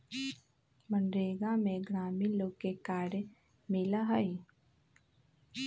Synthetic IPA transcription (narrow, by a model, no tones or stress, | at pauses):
mənɾeːɡamẽɡɾaːmiloːkːekaːɾj | mɪlaɦəi